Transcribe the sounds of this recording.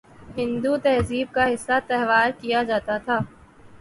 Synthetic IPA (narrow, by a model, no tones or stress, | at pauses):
ɦɪ̃nd̪ut̪ɛɦziːb̚kaɦɪsːat̪ɛɦʋaːɾkijad͡ʒaːt̪at̪ʰaː